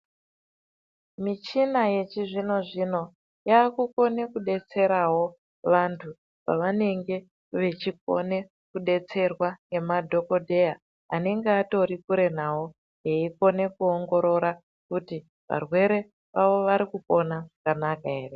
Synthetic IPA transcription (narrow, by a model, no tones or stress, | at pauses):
mit͡ʃinajet͡ʃiʐino̞ʐino̞ | jaːkuko̞ne̞kuɗe̞t͡se̞ɾawo̞ | ʋantʰu | pa̰ʋane̞ŋɡe̞ | ʋe̞t͡ʃiko̞̰ne̞ | kuɗe̞t͡se̞rwane̞madʱo̞kodʱe̞ja | ane̞ŋɡeato̞ɾikuɾe̞n̤awo | jeiko̞ne̞kuoŋɡo̞ɾo̞ɾa | kuti | ʋa̰rwe̞ɾe̞ | ʋaʋo̞ʋaɾikupo̞naʐakanakae̞ːre